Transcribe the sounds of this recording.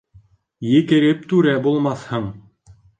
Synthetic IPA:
jɘ̆kɘ̆ɾɘp̚t̪ʉɾæbulˠmɑθhɤɴ

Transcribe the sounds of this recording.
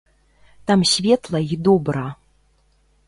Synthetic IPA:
t̪amsʲvʲɛt̪lˠɐid̪ɔbɾɐ

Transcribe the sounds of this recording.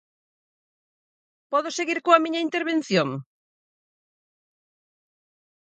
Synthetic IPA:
pɔðoseɣiɾkoamiɲaint̪eɾβen̟θjoŋ

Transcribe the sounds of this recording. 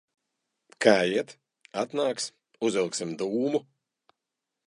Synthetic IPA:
kʰæːjiɛt̪ | at̪naːks | uzɛlˠksimd̪uːmu

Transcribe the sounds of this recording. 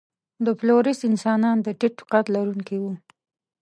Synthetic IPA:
d̪əploɾɪsɪnsɑnɑnd̪əʈiʈ̪ɪ̥qat̪laɾuŋkiwu

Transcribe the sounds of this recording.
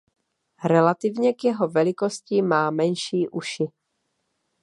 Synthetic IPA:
ɾɛlat̪ɪvɲɛkjɛɦo̞vɛlɪko̞scɪmaːmɛnʃiːʔuʃɪ

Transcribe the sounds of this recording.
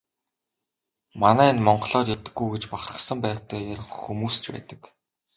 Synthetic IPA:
manæːinmɔɴɢɮɔːt̪jat̪ɘ̆ɡːujɡet͡ɕpaχrə̆χsə̆mpæːrt̪æːjaɾə̆χxːumuːst͡ɕpæ̰ːt̪ə̆k

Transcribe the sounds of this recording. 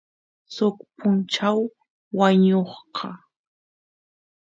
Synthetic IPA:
sokpʊnt͡ʃawː | aɲoχqɑ

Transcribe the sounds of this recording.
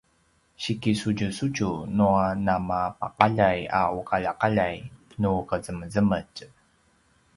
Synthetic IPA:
ɕikisuɟəsuɟunuanamapa̰qaʎaja̰ukaʎaqaʎajnukəzəməzəməc

